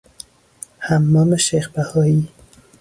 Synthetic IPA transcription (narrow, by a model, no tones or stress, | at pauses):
hamːɔːmeʃeːxbahɔiː